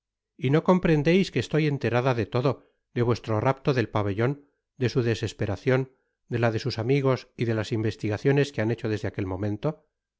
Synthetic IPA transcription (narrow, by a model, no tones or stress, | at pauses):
ino̞ko̞mpɾe̞nd̪ejskeːst̪o̞je̞nt̪e̞ɾaðaðe̞t̪o̞ðo̞ | d̪eβwe̞st̪ɾo̞rap̚t̪o̞ðe̞lpaβe̞ʎo̞n | d̪e̞suðe̞se̞spe̞ɾaθjo̞n | d̪e̞laðe̞susamiɣo̞siðe̞lasimbe̞st̪iɣaθjone̞skeane̞t͡ʃo̞ð̞e̞zðeake̞lmõ̞mẽ̞nt̪o̞